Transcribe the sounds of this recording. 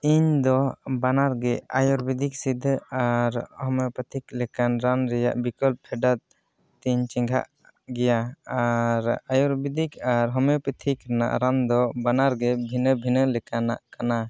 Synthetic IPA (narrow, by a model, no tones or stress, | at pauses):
iɲd̪ɔbanaɾɡɛa̰jɔɾbid̪ʱik̚sid̪ʱaɾhɔmɛpət̪ʰiklɛkanɾanɾɛja̰ʔbikɔlp̚pʰɛɖat̪̚ | t̪iɲt͡ʃiŋɡʱa̰ʔ | ɡɛjaaɾajɔɾbid̪ikaɾɦɔmjɔpət̪ʰikɾɛna̰ʔɾand̪ɔbanaɾɡɛbʱinəbʱinəlɛkana̰ʔkana